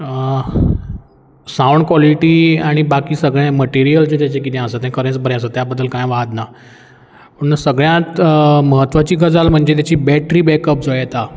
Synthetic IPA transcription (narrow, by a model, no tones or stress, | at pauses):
sãuɳɖ̚kʋɔliʈiːaɽ̃ibakiːsəɡɭɛ̃məʈiɾijəlt͡set̪jat͡ɕek̬it̪ʰɛ̃asət̪ɛ̃kəɾẽt͡sbʱəɾɛ̃asət̪jabəd̪ːəlkãjʋaɦət̪na | pəɳnəsəɡɭjãt̪məɦət̪ːʋat͡ɕiːɡʱəd͡zalm̤əɳd͡ʑet̪jat͡ɕiːbɛʈɾiːbɛkəp̚d͡zoɭjɛt̪a